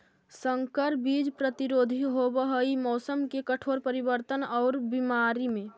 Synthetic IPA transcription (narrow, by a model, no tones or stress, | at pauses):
səŋkəɾbid͡ʒpɾət̪iɾoːd̪ʱiɦobəɦəimɔːsəmkekəʈʰoɾpəɾibəɾt̪ənɔʊɾbimaɾimẽ